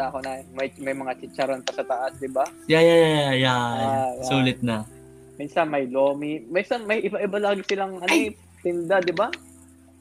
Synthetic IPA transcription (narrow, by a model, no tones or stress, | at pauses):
aʔɐkonɐmɐjmɐjmɐŋat͡ʃɪt͡ʃɐɾonpɐsɐt̪ɐʔɐsd̪ɪbajajajajajajasuːlɪt̪̚nɐ | miːnsɐnmɐjloːmiminsɐnmɐjʔɪbaʔɪbalaːɡɪsɪlaŋʔɐnɪp̚t̪ɪnd̪ad̪ɪba